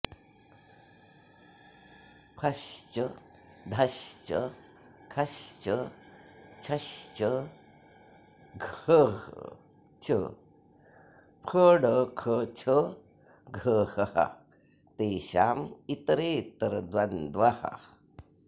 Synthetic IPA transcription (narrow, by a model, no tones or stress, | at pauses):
pʰɐɕt͡ʃə | ɖʱɐɕt͡ʃə̰ | kʰɐɕt͡ʃə | t͡ʃʰɐɕt͡ʃə | ɡʱə | t͡ʃʰə̰ | pʰəːɽəkʰət͡ʃʰə | ɡʱəːhɐha̰ | t̪eːɕa̰ːmit̪ɾeːt̪əɾd̪wɐnd̪ʋaha̰